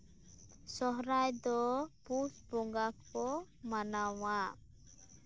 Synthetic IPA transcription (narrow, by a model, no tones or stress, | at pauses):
sɔɦɾajd̪ɔpusbɔŋɡakːɔ | manawa